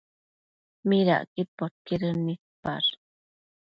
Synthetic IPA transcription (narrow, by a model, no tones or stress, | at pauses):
miɾa̰ʔkipːot̪̚kiɾənit̪̚pa̰ɾ